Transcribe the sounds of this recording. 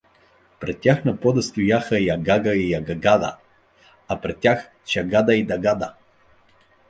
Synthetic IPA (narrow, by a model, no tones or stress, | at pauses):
pɾɛt̪̚ːʲjaxnɐpɔd̪ɐst̪ʊjaxəjaɡaɡəijaɡaɡad̪ɐ̰ | ɐpɾɛt̪ːʲjax | t͡ʃaɡad̪ɐid̪ɐɡad̪ə̰